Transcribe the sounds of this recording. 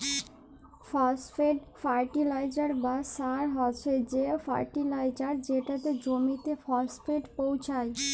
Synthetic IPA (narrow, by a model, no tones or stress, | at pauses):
fɔsfeɖfaɾʈilajd͡ʑaɾbasaɾɦɔt͡ɕʰed͡ʑefa̰jʈilajd͡ʑaɾd͡ʑeʈat̪ed͡ʑomit̪efɔsfeɖpowt͡ɕʰaj